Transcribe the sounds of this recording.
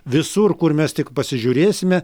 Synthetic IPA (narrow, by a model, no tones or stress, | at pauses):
ʋʲɪsurkʊrmʲɛst̪ʲɪkpɐsʲɪʒʲuːɾʲeːsʲɪmʲɛ